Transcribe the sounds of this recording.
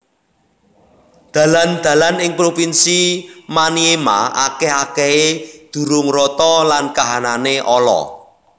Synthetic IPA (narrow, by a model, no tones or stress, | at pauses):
d̪̥ä̤land̪̥ä̤lanɪŋpɾopinsimaniema̰akeɦakeɦed̪̥ṳɾʊŋrɔt̪ɔlankaɦananeʔɔlɔ̰